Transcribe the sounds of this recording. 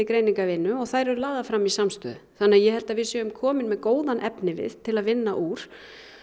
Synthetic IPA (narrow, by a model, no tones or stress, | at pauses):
ɪkɾejniŋkavɪnːʏɔɣθajɾɛɾʏlaːɣðafɾamːisamst̪œ̰ːðʏθanːɪajɛhɛlt̪avɪðsœːɣʏmkʰɔːmɪnmɛðkoːwðanʔɛpnɪvɪ̰θt̪ʰːɪlaðvɪnːaʔuːɾ̥